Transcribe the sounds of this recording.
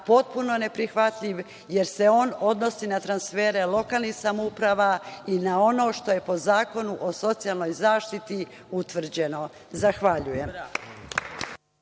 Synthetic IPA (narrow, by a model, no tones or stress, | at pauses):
po̞t̪̚puno̞ne̞pɾixʋat̪ʎiʋ | je̞ɾse̞o̞ːno̞d̪no̞sinat̪ɾansfeːɾe̞lˠo̞kaːlˠnixsamoupɾaʋainao̞no̞ːʃt̪o̞je̞po̞zaːko̞nuʔoso̞t̪sijalˠno̞jzaːʃt̪it̪i | ut̪ʋr̩d͡ʑe̞no̞ | zaxʋaʎuje̞m